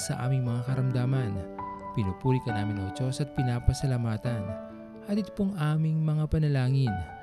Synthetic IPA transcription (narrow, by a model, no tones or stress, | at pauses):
sɐ̰ʔa̰ːmɪŋmɐŋakɐɾɐmd̪aːmɐnpɪnopuːɾikɐnaːmɪnɐot͡ʃo̞sɐt̪̚pɪnaːpɐsɐlamaːt̪ɐn | had̪it̪poŋʔaːmɪŋmɐŋapɐnɐlaːŋɪn